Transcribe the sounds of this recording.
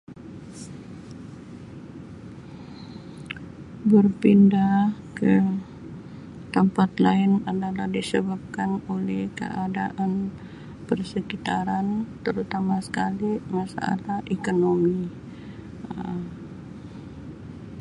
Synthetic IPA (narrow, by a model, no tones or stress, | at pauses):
bərpindahkə | t̪əmpat̪laɪnadalahdisəbap̚kanolɛhkə̰ʔadaʔan | pərsəkit̪aɾant̪əɾut̪amasə̥kalimasa̰a̰t̪aʔekonomi